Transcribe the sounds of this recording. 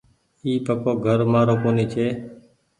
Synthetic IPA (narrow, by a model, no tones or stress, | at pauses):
iːpəkoːɡʱəɾmaːɾoːkoːniːt͡ʃʰeː